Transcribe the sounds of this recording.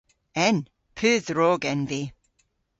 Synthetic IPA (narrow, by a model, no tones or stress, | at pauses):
ɛn | pʰʉːðɹoːɡɛnvi